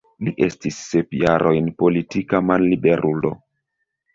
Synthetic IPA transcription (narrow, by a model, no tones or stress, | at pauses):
liʔe̞stisːepjaɾʔo̞jnpo̞litikamanlibe̞ɾʔulo̞̰